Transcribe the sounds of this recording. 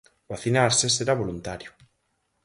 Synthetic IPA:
baθinaɾseseɾaβolunt̪aɾjʊ

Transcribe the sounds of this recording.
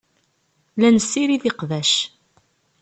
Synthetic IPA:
lænəsːiɾiðiqvæʃ

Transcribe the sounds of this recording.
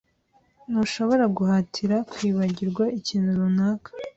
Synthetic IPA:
nuʃo̞βo̞ɾaɡuɦatʰiɾakwiːβaɟiɾɡwaʔiciːnuɾunaːkḁ

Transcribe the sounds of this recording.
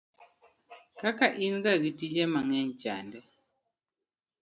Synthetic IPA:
kakaʔiŋɡaɡitid͡ʒɛmaŋɛnt͡ʃa̰ndɛ

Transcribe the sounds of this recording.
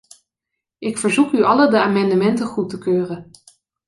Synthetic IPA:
ʔɪkfəɹzukyɑlədəaːmɑndəmɛntəχutəkøːrən

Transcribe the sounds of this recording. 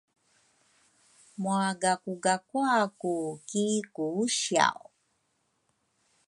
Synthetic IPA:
muaɡakuɡakwakukikuuɕia̰w

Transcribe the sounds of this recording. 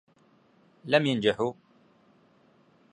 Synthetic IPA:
lamjand͡ʒɪħu

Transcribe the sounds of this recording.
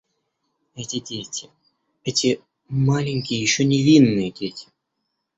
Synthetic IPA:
ɛtʲɪdʲetʲɪ̥ | ɛtʲɪ | malʲɪnʲkʲɪjəjɪɕːonʲɪvʲinːɨjədʲetʲɪ̥

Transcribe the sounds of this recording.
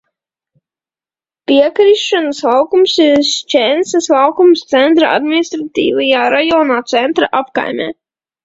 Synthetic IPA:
piɛkɾiʃʃanəslˠawkumsiɾst͡ʃɛnsaslˠawkumst̪sɛnt̪ɾaa̰d̪minist̪ɾat̪ḭːvajaːɾajɔːnaːt̪sɛnt̪ɾa̰ʔapka̰jmʲɛ̰ː

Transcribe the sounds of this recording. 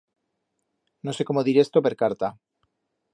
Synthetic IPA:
nose̞ko̞moðiɾe̞st̪o̞pe̞ɾkaɾt̪a

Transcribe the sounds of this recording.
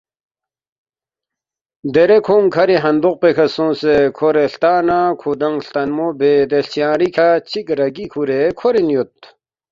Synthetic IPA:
d̪eɾekʰoŋkʰɐɾiɦɐnd̪uq̚pekʰɐsõːsekʰoɾeɬt̪aːnakʰud̪ɐŋɬt̪ɐnmobeːd̪eɬt͡ɕijãːɾikʰat͡ɕʰikɾɐɡikʰuɾekʰoɾinjot̪̚

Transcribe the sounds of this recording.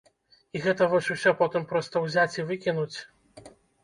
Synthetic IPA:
iɣɛt̪ɐvɔsʲusʲɔpɔt̪ɨmpɾɔst̪ɐwzʲat͡sʲivɨkʲinut͡sʲ

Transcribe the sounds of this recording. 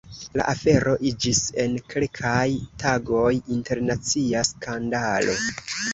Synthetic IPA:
la̰ʔafe̞ɾʔo̞ʔid͡ʒise̞nkʰe̞lkʰajtʰaɡo̞jinte̞ɾnat͡siaskandalo̞̰

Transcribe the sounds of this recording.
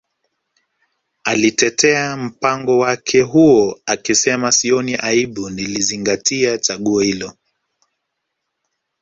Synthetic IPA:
alitɛtʰɛam̩paŋɡɔwakʰɛɦuɔakisɛmasiɔniʔaiɓuniliziŋɡatiat͡ʃaɠuɔhilɔ

